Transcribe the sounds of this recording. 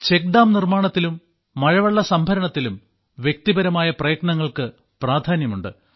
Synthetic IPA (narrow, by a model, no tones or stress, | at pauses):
t͡ɕek̚ɖaːmnirmaːɳɐt̪ːilumː | ɐɻɐʋɐɭːɐsɐmbʱɐɾɐɳɐt̪ːilum | ʋje̞k̚t̪ibɐɾɐmaːjɐprɐjɐkɳɐŋːɐɭkɨ | praːd̪ʱaːnjɐmuɳɖɨ̰